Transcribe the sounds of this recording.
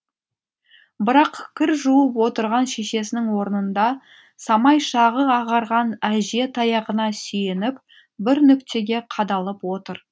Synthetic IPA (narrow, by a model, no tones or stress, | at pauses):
bɪɾɑqkʲʰɪɾʒuwəpwo̞t̪əɾʁɑnʃe̞ʃe̞sɪnɪŋwo̞ɾənənd̪ɑ | sɑmɑjʃɑʁəɑʁɑɾʁɑnæʒe̞t̪ʰɑjɑʁənɑsejenɪp̚ | bɪɾnʏkt̪e̞ɡʲe̞qʰɑd̪ɑlˠəpwo̞t̪əɾ